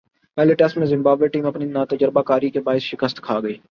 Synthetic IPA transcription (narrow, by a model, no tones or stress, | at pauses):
pɛːleʈɛsʈmẽzɪ̃mbaːbleʈiːmɐpninaːt̪əd͡ʒəɾbakaːɾikebaːɪsʃɪkəst̪kʰaːɡəeː